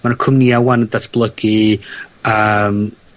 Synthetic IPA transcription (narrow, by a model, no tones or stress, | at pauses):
manəkʰʊmniawanədatʰb̥lˠəɡ̥i | əːm